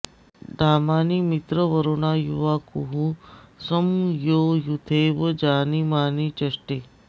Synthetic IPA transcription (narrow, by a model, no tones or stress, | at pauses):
ɖʱaːmaːnimit̪ɾəʋəɾoːnaːjuʋakuɦusəmjoːjut̪ʰeːʋəd͡ʒaːnimaːnit͡ʃɐʂʈeː